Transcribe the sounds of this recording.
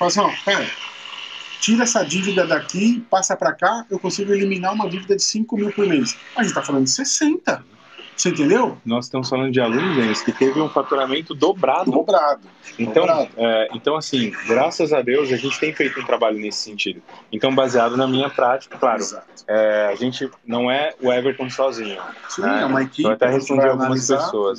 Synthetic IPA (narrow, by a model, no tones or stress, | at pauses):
falɐsĩɔpɛɾɐ | t͡ʃiɾɐɛsɐd͡ʒivid̪ɐd̪akipasɐpɾɐkaewkõsiɡʊelimĩnaũmɐd͡ʒivid̪ɐd͡ʒɪsĩŋkʊmiwpeɾmeʊsɐzɐẽtt͡ʃɪt̪afalɐ̃nd̪ʊd͡ʒɪsesẽnt̪ɐ | seẽt̪̬ẽnd̪ewnɔzɪst̪ɐ̃mʊsfalɐ̃nd̪ʊd͡ʒɪalũnʊzẽnʊskɪt̪evɪũfat̪uɾamẽnt̪ʊd̪obɾad̪ʊobɾad̪ʊẽnt̪ɐ̃w̃aɛẽnt̪ɐ̃w̃asĩɡɾasɐzad̪ewzɐʒẽnt͡ʃɪ̥t̪ẽj̃fejt̪ʊũt̪ɾabaʎʊnesɪ̥sẽnt͡ʃid̪ʊẽnt̪ɐ̃w̃baziad̪ʊnɐmĩɲɐpɾat͡ʃi̥kɐklaɾʊzat̪ʊ̥ɛaʒẽnt͡ʃɪnɐ̃w̃ɛʊɛveɾt̪ɐ̃w̃sɔzĩɲʊsĩnɛɐmajkiewat̪ɛhespõd͡ʒiaw̪ũmɐszpeassoɐs